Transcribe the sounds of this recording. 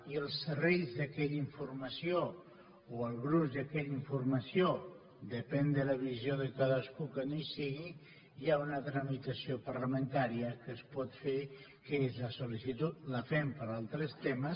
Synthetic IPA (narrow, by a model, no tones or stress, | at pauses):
iəlˠsərɛjzðəkɛʎiɱfurməsio | oəlˠɣɾuzd̪əkɛʎiɱfurməsio | d̪əpɛnd̪ələβizjoðəkaðəskukənojsiɣi | jaunət̪ɾəmit̪əsiopəɾləmənt̪aɾiəkəspɔt̪fe | kəezləsolisit̪ut̪̚ləfɛmpəɾalˠt̪ɾəst̪emə